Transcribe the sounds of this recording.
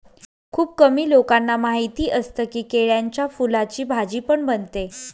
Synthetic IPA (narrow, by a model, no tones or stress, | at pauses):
kʰuːb̚kəmiːlokanːamaɦit̪iːʔəst̪əkiːkeɭjaɲt͡ɕjafulat͡ɕiːbʱad͡ʑiːpəɳbənt̪e